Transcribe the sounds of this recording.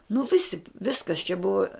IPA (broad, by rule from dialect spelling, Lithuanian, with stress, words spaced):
nʊ ˈʋʲɪsʲɪ ˈʋʲɪskɐs t͡ʃʲɛ ˈbʊʋɐ